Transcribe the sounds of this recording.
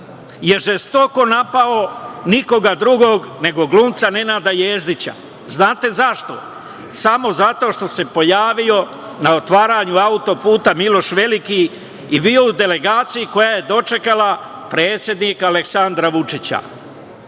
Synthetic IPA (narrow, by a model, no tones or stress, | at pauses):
je̞ɾʒest̪o̞ko̞napao̞niko̞ɡad̪ɾuɡo̞ɡne̞ɡo̞ɡluːmt̪sane̞naːd̪ajeːzd̪it͡ɕa̰ | znaːt̪e̞zaʃt̪o̞̰ | samo̞zat̪o̞ːʃt̪o̞se̞po̞jaːʋio̞ | naot̪ʋaːɾaɲuaut̪o̞puːt̪amilo̞ʃʋe̞liki | ibio̞ud̪e̞le̞ɡaːt̪sijiko̞jaje̞d̪o̞t͡ʃe̞kala | pɾe̞ːt̪sje̞d̪nikaleksand̪ɾaʋut͡ʂit͡ɕa̰